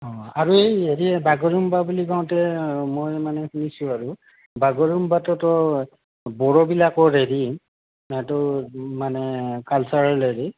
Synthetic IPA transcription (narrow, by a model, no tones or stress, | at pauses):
ɔ̃aɹuejeɹiɛbaɡɔɹumbabuliɡaw̃tɛmojmanɛxunisʊ̃aɹu | baɡɔɹumbatɔtɔ | bɔɹɔbilakɔɹeɹi | atɔmanɛkalsaɹaɹeɹi